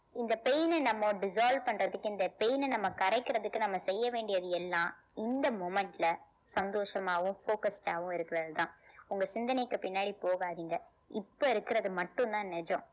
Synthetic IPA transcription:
ɪnd̪ɐpɛjnnɐmːɐ̃ɖɪsaːlʋpɐɳɾɐðɯkːɯɪnd̪ɐpejnnɐmːɐkɐɾɛɪkːɪɾɐðɯkːɯnɐmːɐsɛjːɐʋeːɳɖɪjɐðɯɛlːãː | ɪnd̪ɐmɔmɛɳʈɪlɐ | sɐnd̪oːʂɐmaːʋʊ̃foːkɐsʈaːʋʊ̃ɪɾɯkːɪɾɐðɯt̪ãːʊŋɡɐsɪnd̪ɐnɐɪkːɯpɪnːaːɽipoːɣaːðiːŋɡɐ | ɪpːoɪɾɯkːɪɾɐðɯmɐʈːɯ̃nt̪ãːnɛd͡ʒõ

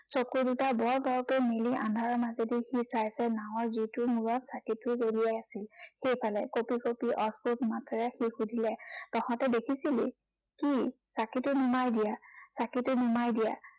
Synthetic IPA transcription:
sɔkuɹdutabɔɹɡɔɹɔkojmeliʔã̰ndʱaɹɔnazedixisajsɛnaʊ̃ɔɹzitʊmuɹɔtsakitʊzodijajasilxejpʰalɛkopikopiʔɔskutmatɹɛxixudʱilɛtɔxɔ̃tɛdekʰisilḭ | kisakitʊnumajdijasakitʊnumajdija̰

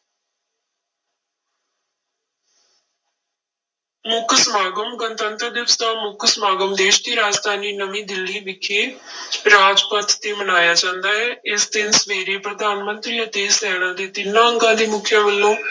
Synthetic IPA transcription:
mʊkʰsəmaːɡəmɡənt̪ənt̪ɾəd̪ɪst̪aːmʊkʰsmaːɡəmd̪eːʃd̪iːɾaːd͡ʒd̪ʱaːniːnəʋĩːd̪ɪlːiːbɪkʰːeːɾaːd͡ʒpət̪ːeːmənaːjaːd͡ʒãːnd̪aːɦɛːɪsd̪ɪnsʋeːɾeːpɾəd̪aːnmənt̪ɾiːət̪eːsɛːɽãːd̪eːt̪ɪnːãːəŋɡãːd̪iːmʊkʰjaːʋəlːõː

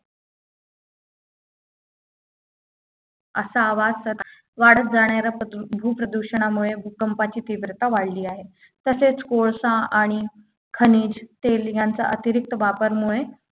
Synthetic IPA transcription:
əsaːʋad͡zsət̪ | ʋaɽət̪̚d͡zaɳjaɾjabʱupɾəd̪uɕəɳ̃amuɭebʱukəmpat͡ɕiːt̪iʋɾət̪aʋaɽliːaɦe | t̪əset͡skoɭsãaɽ̃i | kʰəniːd͡ʑt̪eljant͡sa̰ʔət̪iɾik̚t̪əʋapəɾmuɭe

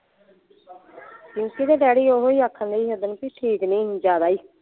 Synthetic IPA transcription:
kũːkid̪eːɖɛːɽiːoɦoːiːakʰːənd̪eːiːɦəd̪ənpiːʈʰiːknĩːd͡ʒaːd̪aːiː

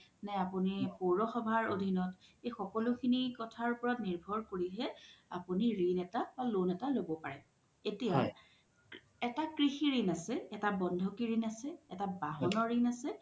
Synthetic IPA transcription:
nɛapunixoɹɔxɔbʱaɹodʱinɔtejxɔkɔlukʰinikɔtʰaɹupɔɹɔtniɹbʱɔɹkoɹiɦɛapuniɹinɛtabalonɛtalobɔpaɹɛ | etija | ɛtakɹixiɹinasɛɛtabɔndʱɔkiɹinasɛɛtabaɦɔnɔɹinasɛ

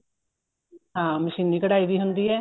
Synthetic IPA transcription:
ɦãːməʃiːnːiːkəɽaːiːbiːɦʊnd̪iːɛː

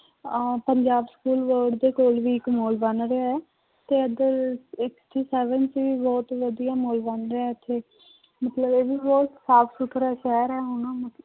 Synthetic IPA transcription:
pəɲd͡ʒaːbskuːlʋəɾɖd̪eːkoːlʋiːɪkmoːlbənɾeaɛː | t̪eːəd̪əɾɪksʈiːsɛːʋənt͡ʃʋiːbɔːt̪ʋəd̪ijaːmoːlbənɾeaɛt̪ʰeː | mət̪ləbeːʋiːbɔːt̪saːpʰsʊʈʰɾaːʃɛːɾɛːɦʊnãːmət̪

